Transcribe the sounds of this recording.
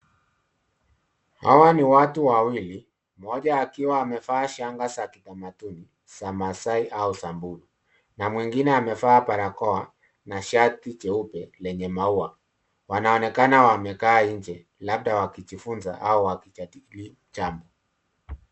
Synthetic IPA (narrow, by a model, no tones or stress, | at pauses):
ha̰waniwatuwawili | mɔʄaːkiwaːmɛfaːʃaŋɡasakitamatuni | samasaiʔausambulu | namwiŋɡinɛamɛfapaɾakɔa | naʃatit͡ʃɛupɛlɛɲɛmaua | wanaɔnɛkanawamɛkaːiɲd͡ʒɛ | lab̚ɗawakit͡ʃifunza̰ʔauwakiali | t͡ʃambɔ